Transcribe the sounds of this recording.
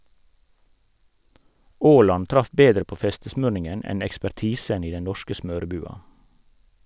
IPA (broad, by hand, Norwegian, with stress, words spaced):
ˈoːlɑn ˈtɾɑf ˈbeːdɾə ˈpoː ˈfɛstəsmøːɳɪŋən ˈɛn ɛkspæˈʈiːsən ˈiː ˈdɛn ˈnɔʃkə ˈsmøːɾəˌbʉːɑ